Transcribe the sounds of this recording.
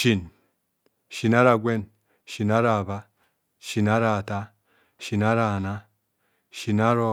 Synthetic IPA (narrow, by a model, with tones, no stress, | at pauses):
ʃi˨n | ʃi˨na˦ɾa˨ɡʷe˦˨n | ʃi˨na˦ɾa˨βa˦ | ʃi˨na˦ɾa˨ta˦ | ʃi˨na˦ɾa˨na˦ | ʃi˨na˦ɾo˦